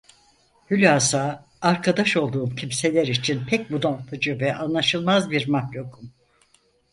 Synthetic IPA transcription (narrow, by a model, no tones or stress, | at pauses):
hylʲaːsaː | ɾkʰad̪aʃo̞lˠd̪uːmcʰimse̞lʲɛɾit͡ʃʰinpʰɛc̚bud̪ant̪ʰɯd͡ʒɯvɛʔanlˠaʃɯlˠmazbiɾmaklʲokʰum